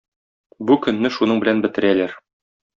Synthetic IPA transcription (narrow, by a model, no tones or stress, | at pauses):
bukɵ̆nːɘʃunɤɴbɘ̆lænbɘ̆t̪ɘ̆ɾælæɾ